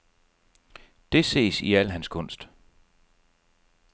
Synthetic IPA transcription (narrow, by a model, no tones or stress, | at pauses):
d̥e̝se̝̰ːsiæl̰ɦænskʰɔ̽n̰sd̥